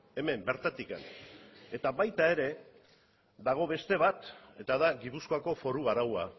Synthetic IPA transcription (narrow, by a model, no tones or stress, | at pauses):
e̞me̞mbe̞ɾt̪at̪ikene̞t̪aβajt̪ae̞ɾe̞ | d̪aɣ̞o̞βe̞st̪e̞β̞at̪e̞t̪aðaɣipuskoako̞fo̞ɾuɣaɾawa